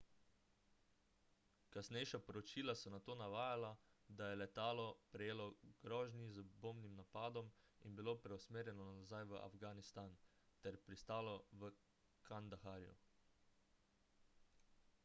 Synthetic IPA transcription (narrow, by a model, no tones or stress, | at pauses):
kasnɛjʃapɔɾɔt͡ʃiːlasɔnat̪oːnaʋaːjalad̪ajɛlɛt̪aːlɔpɾɛjeːlɔɡ̥ɾɔːʒnizəboːmnimnapaːd̪ɔm | inbiloːpɾɛusmeːɾjɛnɔnaazajʋəʔa̰fɡanist̪an | t̪ɛɾpɾist̪aːlɔʋə | kʰand̪axaːɾjṵ